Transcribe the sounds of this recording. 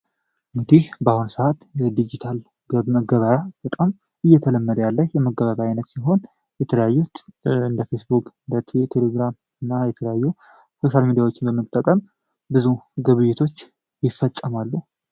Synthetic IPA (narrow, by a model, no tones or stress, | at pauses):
mɨt̪ʰibəahunsəʔat̪jɛd̪id͡ʒit̪ʰal | ɡəβməɡəβajab̥ət̪ʼam | ɨjːɛt̪ʰələmːəd̪əjalːəhjɛməɡəβəβajnət̪siɦo̞n | jɛt̪ʰələjajːut̪ɨnd̪əfe̞sbukʼɨnd̪ət̪ʰet̪ʰeleɡɾam | ɨnːajɛt̪ʰələjajːu | so̞ʃalmid̪iawot͡ʃːɪnbəmːɨt̪ʼːəkʼəm | bɨzuɡəβɨjːɪt̪ʰo̞t͡ʃː | jɪfːət̪ʼːəmalːu